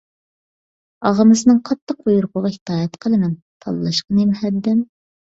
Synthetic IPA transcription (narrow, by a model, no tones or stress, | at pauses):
ɑʁəmɨsɨnɨŋqʰɑt̪ːəq̚bujuɾqʰʊʁɑhɪ̥t̪ʰɑːjɛt̪qʰəlˠɨmɪn | t̪ʰɑlˠlˠɑʃqɑnemhɛd̪ːɪm